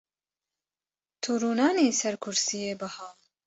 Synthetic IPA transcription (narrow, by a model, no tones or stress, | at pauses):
t̪ʰuːɾuːnɑːneːsɛɾkʰʊɾsijeːbɨhaː